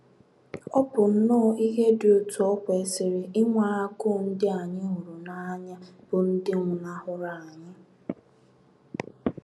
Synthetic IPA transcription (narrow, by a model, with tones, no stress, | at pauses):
ɔ˦pʊ˨n̩˦nʊ˦˨i˦ɦe˦dɪ˨ʊ˨tu˨ɔ˦kʷe˨˦sɪ˨ɾɪ˨ɪ˦ŋʷa˨˦a˦ɡʊ˦˨n̩˦dɪ˦a˨ɲɪ˦ɦu˨ɾu˨na˦ɲa˦b̥ʊ˨n̩˦dɪ˦ŋʷʊ˨na˦hʊ˦ɾa˨a˨ɲɪ˦